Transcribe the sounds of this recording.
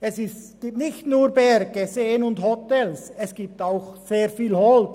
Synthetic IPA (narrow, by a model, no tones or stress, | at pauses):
ɛsɪsɡ̥iːp̚tnɪçtnuːɾbɛɾɡ̥əseːənʊndhɔtɛlsɛsɡ̥iːp̚taʊxseːɾfiːlhɔlt